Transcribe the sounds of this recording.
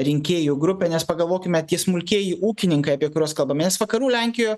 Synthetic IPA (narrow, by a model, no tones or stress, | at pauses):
ɾʲɪŋʲkʲeːjuɡɾʊpʲɛnʲɛspɐɡɐlˠʋoːkʲɪmʲɛt̪ʲiɛsmʊlʲkʲeːjiuːkʲɪnʲɪŋkɐɪɐpʲiɛkʊɾʲoːskɐlˠbɐmʲnʲɛsʋɐkɐɾuːlʲɛŋʲkʲɪjoː